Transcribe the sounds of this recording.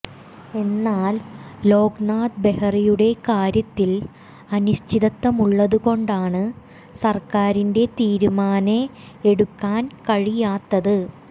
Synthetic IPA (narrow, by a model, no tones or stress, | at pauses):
e̞nːaːlːo̞ːɡnaːd̪be̞hɐrijuɽe̞kaːɾjɐt̪ːil | ɐnuɕt͡ɕʰiðɐt̪ːɐmuɭːɐðuko̞ɳɖaːɳɨ | sɐrkaːɾinde̞t̪iːɾumaːne | eɽukːaːnkɐɻijaːt̪ːɐðɨ